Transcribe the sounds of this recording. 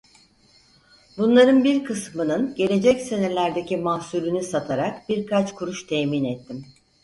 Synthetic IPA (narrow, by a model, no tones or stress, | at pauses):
bunlˠaɾɯnbiɾkʰɯsmɯnɯnɟe̞lʲe̞d͡ʒɛcse̞ne̞lʲæɾd̪ecimahsuɾynysat̪ʰaɾak̚biɾkʰat͡ʃkʰuɾuʃt̪ʰɛminɛt̪ʰːim